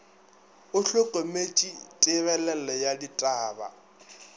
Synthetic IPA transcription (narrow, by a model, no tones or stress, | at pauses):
ʊɬʊkʼomet͡ʃʼitʼɪβɛlɛl̩ɔjaditʼaːba̰